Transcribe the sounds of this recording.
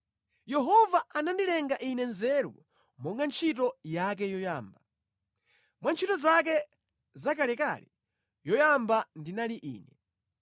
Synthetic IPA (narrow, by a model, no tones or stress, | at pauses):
jɛɦɔvaanandilɛŋɡaʔinɛnzɛɾṵ | mɔŋɡant͡ʃʰit̬ɔjak̬ɛjɔjaːmba | mwant͡ʃʰitɔzak̬ɛ | zakalɛka̰lɛ̰ | jɔjambandinaliʔḭːnɛ